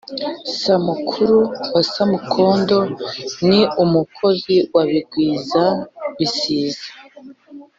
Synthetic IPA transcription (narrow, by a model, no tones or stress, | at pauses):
samukʰuɾuasamukʰo̞ːndo̞niumukʰo̞ziwaβiɡwiːzaβisiːzḁ